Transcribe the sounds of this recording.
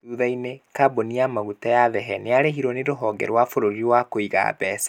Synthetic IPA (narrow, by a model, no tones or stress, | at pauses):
uðainekaboniamaɣutajaðɛɦɛneaɾeɦiɾɔneɾoɦɔɡɛ̰ɾwafoɾoɾiɾwakoiɣa̰bɛsḁ